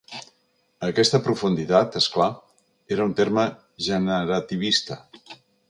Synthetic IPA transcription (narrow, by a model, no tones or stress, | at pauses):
əkɛst̪əpɾufund̪it̪at̪eskla | eɾəunt̪eɾmə | ʒənəɾət̪iβ̞ist̪ə